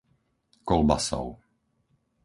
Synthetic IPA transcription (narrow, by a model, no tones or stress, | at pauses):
kɔlba̰sɔ̰ʊ